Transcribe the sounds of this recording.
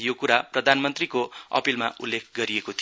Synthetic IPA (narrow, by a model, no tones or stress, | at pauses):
jokuɾaprʌd̪ʱanmʌnt̪rikoʌ̰pilmaulːekʰɡʌɾiekot̪ʰi